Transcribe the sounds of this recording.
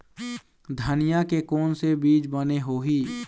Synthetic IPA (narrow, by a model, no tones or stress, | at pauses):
d̪ʱənɪjakekɔːnsebiːt͡ʃbəneɦoːɦiː